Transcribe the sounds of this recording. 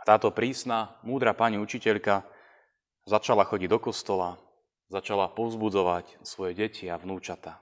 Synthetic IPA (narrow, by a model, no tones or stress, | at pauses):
at̪aːt̪ɔpɾiːsnamuːd̪ɾapaɲiut͡ʃicɛʎka | zat͡ʃalaxɔɟiɟd̪ɔkɔst̪ɔla | zat͡ʃalapɔʊzbud͡zɔʋacsʋɔjɛɟɛcʰiaʋnuːt͡ʃat̪a